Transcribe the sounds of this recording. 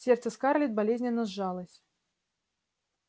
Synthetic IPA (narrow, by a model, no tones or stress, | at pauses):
sʲɛrt̪səskarlʲɛd̪̚balʲezʲnʲɛnːɐzʐalˠɐsʲ